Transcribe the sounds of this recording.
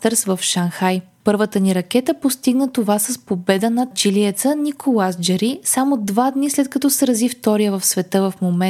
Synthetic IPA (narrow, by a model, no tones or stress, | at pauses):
t̪əɾsvɐfʃanxaj | pɤɾvət̪əniɾɐk̟ɛt̪əpost̪iɡnət̪ovasɐspobɛd̪ənɐt͡ʃiliɛt̪sənikʰolˠasd͡ʒɛɾisamod̪vad̪nislɛt̪̚kɐt̪ɔsɛɾɐzift̪ɔɾijəvɐfsvɛt̪ɤvɐfmomɛ